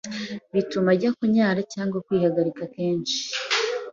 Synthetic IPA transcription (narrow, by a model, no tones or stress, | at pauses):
βitumaɟakuɲaːɾacaːŋɡwakwiːhaɡaɾikake̞ːnʃi̥